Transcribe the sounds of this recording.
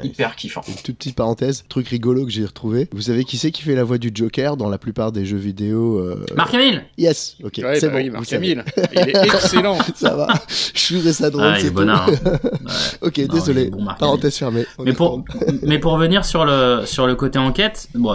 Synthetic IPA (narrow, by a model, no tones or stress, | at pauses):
ipɛʁkʲʰify̰nt̪ut̪̚pə̥t̪it̪̚paʁɑ̃t̪ɛzt̪χykʁiɡɔlokəʒeiʁət̪χuvevus̬avekʲisɛkʲi̥fɛlavwad̪yd͡ʒɔkʲɛʁd̪ɑ̃laplypaʁd̪eʒøvid̪eoø̰maʁkɛ̃miljɛsokʲesɛbõvusail | slɑ̃sa̰va̰ʃuʁesad̪ʁolsɛbɔnaʁɛ̰okʲed̪ezɔleb̃mapaʁɑ̃t̪ɛzfɛʁmeɔ̃mɛpumɛpuʁːvəniʁsyʁləsyʁləkot̪eɑ̃kʲɛt̪bɔ̃